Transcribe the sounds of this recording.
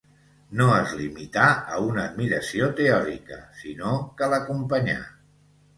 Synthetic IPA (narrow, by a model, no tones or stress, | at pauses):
noəzlimit̪aəunəːd̪miɾəsiot̪eɔɾikə̰sinokələkumpəɲa̰